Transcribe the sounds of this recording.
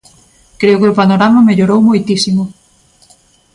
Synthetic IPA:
kɾeʊkeopanoɾamameʎoɾowmojt̪isimʊ

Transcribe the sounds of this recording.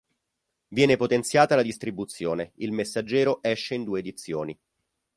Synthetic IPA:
vjɛːnepot̪ent̪sjaːt̪alad̪ist̪ɾibut̪sːjoːneilmesːad͡ʒːɛːɾoʔɛʃːeind̪uːeːd̪it̪sːjoːni

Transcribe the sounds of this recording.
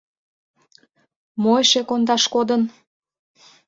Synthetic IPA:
moeʃekond̪ɑʃkod̪ən

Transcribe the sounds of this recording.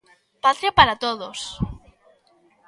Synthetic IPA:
pat̪ɾjapaɾat̪oðos

